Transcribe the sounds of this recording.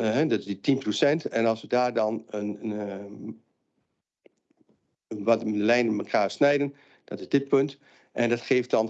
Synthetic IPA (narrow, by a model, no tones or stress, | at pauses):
ɦɛdɔtɪsditinprosɛntɛnɔlˠsʋədaːrdɔnən | ʋɔtəlɛjnəməkʰaːsnɛjdən | d̥ɔtɪzdɪt̚pønt | ʔɛndɔtχeːft̚dɔn